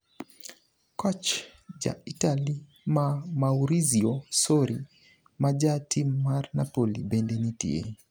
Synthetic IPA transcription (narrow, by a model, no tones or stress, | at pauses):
kɔt͡ʃd͡ʒa̰itali | mamauɾiziɔsɔɾi | mad͡ʒatʰimmːaɾnapɔlibɛndɛnitḭḛ